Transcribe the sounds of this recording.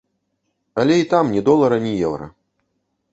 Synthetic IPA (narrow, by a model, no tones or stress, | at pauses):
ɐlʲɛit̪amnʲɛd̪ɔlˠɐɾɐnʲijɛwɾɐ̰